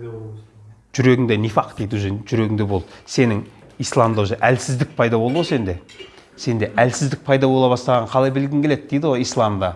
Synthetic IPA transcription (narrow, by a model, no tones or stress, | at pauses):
ʒ̥ʏɾe̞ɡʲɪŋd̪enijfɑqd̪̥ejd̪wzenʒʏɾe̞ɡʲɪŋd̪e̞bo̞lˠd̪əse̞nɪŋ | ijslˠɑmd̪ɑzeʔælsɪzd̪ɪk̚pʰɑjd̪ɑbolˠd̪əʁose̞nd̪e̞ | se̞nd̪e̞ʔælsɪzd̪ɪk̚pʰɑjd̪ɑbo̞lˠɑβɑst̪ɑʁɑɴqʰɑlˠɑjbɪlɡʲɪŋkʲʰele̞d̪̚d̥̪ejd̪ɪwoijslˠɑmd̪ɑ